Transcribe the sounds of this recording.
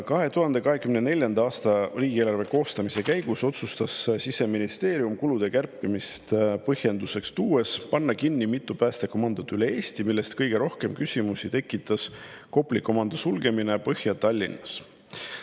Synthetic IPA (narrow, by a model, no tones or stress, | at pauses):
kɑɦe̞t̪uɦɑnd̪̥e̞kɑɦe̞kymnene̞lʲjɑnd̪ɑɑːst̪ɑriːɡ̥ieːlɑrve̞ko̞ːst̪ɑmise̞kæjɡ̥uso̞t̪sust̪ɑssise̞minist̪e̞ːɾiumkulud̪̥e̞kærpːˑimist̪pɤhje̞nd̪use̞kst̪uːe̞spɑnːɑkinːimit̪ˑːupæːst̪eko̞mɑnd̪ot̪ːˑyle̞eːst̪imilːe̞st̪kɤjɡ̥e̞ɾo̞hke̞mkysʲimusit̪e̞kːˑit̪ːˑɑs | ko̞pliko̞mɑnd̪̥osulɡe̞minepɤhjɑt̪ːɑlʲːinɑs